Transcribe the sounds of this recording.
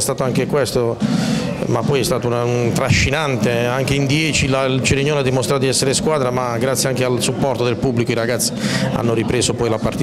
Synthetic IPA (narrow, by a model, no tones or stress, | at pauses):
st̪aːt̪oaŋk̟ekwɛst̪o | mapːɔjɛst̪aːt̪ounaunt̪ɾaʃːinant̪eaŋk̟eind̪jɛːt͡ʃilailt͡ʃeɾiɲːoːnad̪ːimost̪ɾat̪od̪iɛsːeɾeskwaːd̪ɾamaɡɾat̪sːjeaŋkealsupːɔrt̪od̪elpubːlikoiɾaɡat̪sːi̥a̰nːoɾipɾeːzopɔjlapːart̪i